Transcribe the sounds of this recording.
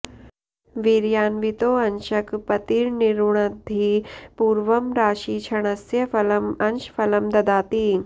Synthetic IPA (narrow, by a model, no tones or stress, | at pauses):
ʋiɾjaːnʋit̪oːɐnʃɐkpɐt̪iːɾniɾuɳɐd̪ʱːiːpuːɾʋɐmɾaːʃiːt͡ɕʰɐɽ̃ɐsjɐfɐlmɐnʃfɐlɐmd̪ɐd̪aːt̪iː